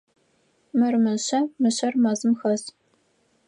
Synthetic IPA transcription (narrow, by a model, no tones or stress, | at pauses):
mɨrmɨɕɐmɨɕɐrmɐzɨmxɐz